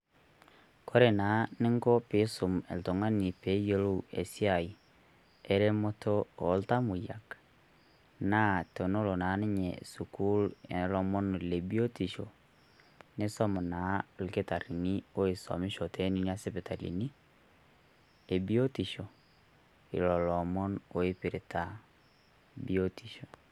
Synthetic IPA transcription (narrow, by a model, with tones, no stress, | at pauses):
kʰo˦ɾe˨na˨˦ne˦ŋ˦ɡo˦pe˨˦su˨me˨lto˨ŋa˦ni˨pe˨˦jo˦lo˦e˨si˦a˨i˨ | e˦ɾe˦mo˦tʰo˦o˨lta˦mu˨ja̰˨k | na˦to˨no˦lo˨na˨˦ni˦ɲɛ̰˨su˨ku˦le˨n˦lɔ˦mo˦n˨le˨bi˦o˦ti˨ʃo˨ | ne˦sɔ˦mo˨na˨˦like˦ta˨ɾi˨ni˦o˦e˨sɔ̰˨mi˦ʃɔ˨tʰe˦ni˦ni˦a˦sepe˨ta˨lḭ˨ni˦ | e˨bi˦o˦ti˨ʃo˨ | ḭ˨lɔ˨lɔ˨mɔ˦no˨e˦pi˨ɾe˨ta˨ | bi˦o˦ti˨ʃo˨